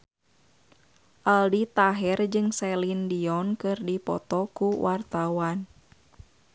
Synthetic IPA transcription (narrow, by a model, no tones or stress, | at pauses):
ʔaldit̪aɦɛrd͡ʒɨŋsɛlindiɔnkɨrdipɔ̰t̪ɔkuwʔart̪awan